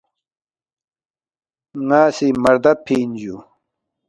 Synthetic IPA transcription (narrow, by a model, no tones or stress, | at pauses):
ŋaːsimɐɾd̪ɐpʰiːnd͡ʑu